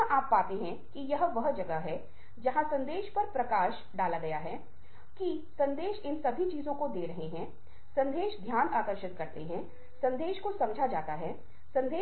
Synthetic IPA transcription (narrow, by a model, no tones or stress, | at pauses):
ʔaːpːaːt̪eɦɛ̃kijɐɦʋɐɦd͡ʒɐɡəɦɛ | d͡ʒɐɦãsɐ̃nd̪eːʃpɐɾpɾɐkaːʃ | ɖaːlaɡɐjaɦɛː | ki | sɐ̃nd̪eːʃɪnsɐbʱit͡ʃiːzõkod̪eːɾɐɦeɦɛ̃ | sɐ̃nd̪eːʃd̪ʱjaːnaːkəɾʃɪt̪kɐɾt̪eɦɛ̃ | sɐ̃nd̪eːʃkosɐmd͡ʒʱad͡ʒaːt̪aɦɛ | sɐ̃nd̪eː